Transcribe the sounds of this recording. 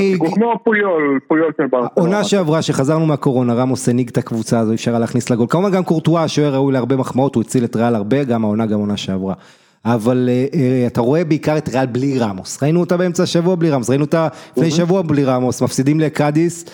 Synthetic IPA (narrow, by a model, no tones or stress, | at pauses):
ɡukmopujolpujolʃelbaonaʃeavʁaʃe̞χazaʁnumeako̞ʁo̞naʁamoseniɡt̪akvut͡saːzoifʃaʁaleaːχnislaɡolkamuvanɡamkoʁtuaʃoeʁaujleaʁbemaχmao̞tuet͡siletʁealaʁbe̞ɡamaonaɡamo̞naʃeavʁa | avalataʁo̞e̞beikaʁetʁealbliʁamosʁainuotabeemt͡saʃavuabliʁamosʁainuotalifnejʃavuabliʁamosmafsidimlekadis